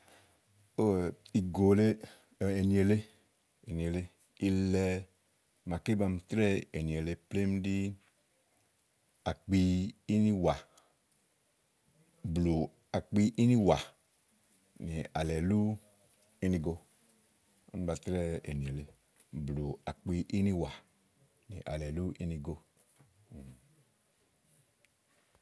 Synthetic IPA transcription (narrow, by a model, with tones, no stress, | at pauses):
o˦˨i˨ɡo˨le˦˨ | e˨ni˨e˨le˦ | e˨ni˨e˨le˦ | i˧lɛ˧ | ma˨ke˦ba˧m˧tɾɛ˦e˨ni˨e˨le˧ple˦m˦di˦ | a˨k͡piː˧˦ni˦wa˨ | blu˨ | a˨k͡pi˧ʔi˦ni˦wa˨ | ni˨a˨lɛ˨lu˦ | i˦ni˧ɡo˧ | a̰˦n˦ba˧tɾɛ˦ḛ˨ni˨e˨le˨ | blu˨a˨k͡pi˧ʔi˦ni˦wa˨ | nḭ˨ʔa̰˨lɛ˨lu˦ʔi˦ni˧ɡo˧˨